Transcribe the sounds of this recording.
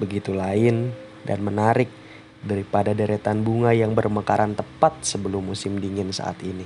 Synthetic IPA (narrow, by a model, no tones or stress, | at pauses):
bəɡit̪ulaɪn | da̰nmənaɾɪk̚ | daɾipadadəɾet̪anbuŋajaŋbərməkaɾʔant̪əpat̪̚səbəlʊmːusɪmdiŋɪnsa̰ʔa̰t̪ini